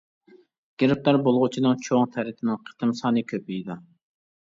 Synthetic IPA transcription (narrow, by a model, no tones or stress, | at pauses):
ɡ̥ʲeɾɪp̚læɾbolˠʁʊt͡ʃʰinɨŋt͡ʃʰoŋt̪ʰæɾɪt̪ʰɪnɪŋqʰə̥t̪ʰɨmsɑːnɨkʲʰøpiid̪ɑ